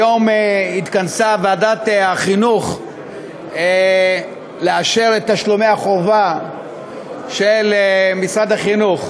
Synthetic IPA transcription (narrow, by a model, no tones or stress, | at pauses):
jo̞mit̪kansavadat̪aχinuχ | leaʃeʁet̪aʃlomeaχo̞va | ʃelmisʁad̪haχinuχ